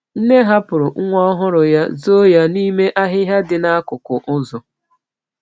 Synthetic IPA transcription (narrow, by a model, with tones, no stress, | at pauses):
n̩˦ne˦ɦa˦pʊ˨ɾʊ˨˦ŋʷɔ˦ɔ˦ɦʊ˦ɾʊ˨ja˦zo˦ja˦ni˦me˦ʔa˦ɦɪ˦ɦa˦dɪ˨na˦a˦kʊ˨kʊ˨ʔʊ˦zʊ˨